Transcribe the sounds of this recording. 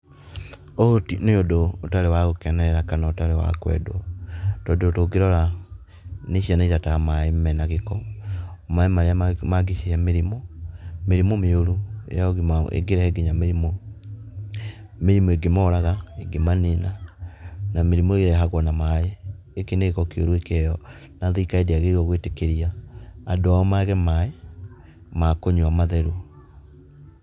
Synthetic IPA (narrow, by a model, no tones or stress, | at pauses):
ootineodoːtaɾewaɣokɛnɛɾɛɾakanaotaɾewa̰kwɛ̰dwotɔdootoɡeɾɔɾa | neʃianaitatamaemɛnaɣekɔ | maemaɾeamaɡiʃiɛmeɾimɔmeɾimomeoɾuḛjaoɣiḛɡeɾɛɛɡeɲameɾimo | meɾimɔeɡemɔːɾaɣaeɡemanena | nameɾimɔeɣeɾɛɦaɣwɔnamae | ekeneɣekɔkeoɾuekɛjɔ | naðeikaedeaɣeɣɔɣwetekeɾiaːdoamaɣɛmae | makoɲuamaðɛɾu